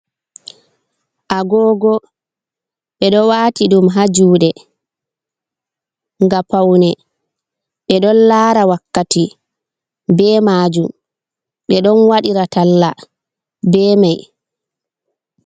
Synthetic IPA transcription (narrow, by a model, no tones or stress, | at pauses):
ʔaɡɔːɡɔ | ɓɛɗɔwaːtiɗumɦad͡ʒuːɗɛ | ŋɡapawnɛ | ɓɛɗɔnlaːɾawakːati | bɛːmaːd͡ʒum | ɓɛɗɔnwaɗiɾatalːa | bɛːmaj